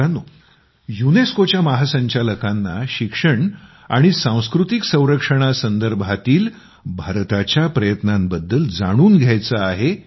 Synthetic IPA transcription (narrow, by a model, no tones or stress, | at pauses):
anːu | juneskot͡ɕjamaɦasəɲt͡ɕaləkanːaɕikʂəɳ | aɽ̃isãw̃skɾut̪iksə̃w̃ɾəkʂəɽ̃asənd̪əɾbʱat̪iːl | bʱaɾt̪at͡ɕjapɾəjət̪nambəd̪ːəld͡zaɽ̃uːnɡʱjajt͡səaɦe